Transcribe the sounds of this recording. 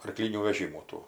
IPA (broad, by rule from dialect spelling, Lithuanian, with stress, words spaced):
ɐrˈklʲiːnʲuː ʋʲɛˈʒʲiːmuː ˈtuː